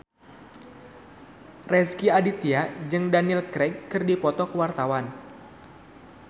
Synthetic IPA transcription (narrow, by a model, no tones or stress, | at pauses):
rɛskiadit̪iad͡ʒɨŋdaniilkɾɛɡːɨrdipɔt̪ɔkəwart̪awan